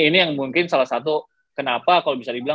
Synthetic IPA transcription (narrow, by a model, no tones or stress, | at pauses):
inijaŋmuŋkɪnsalahsat̪u | kənapakalobisadibila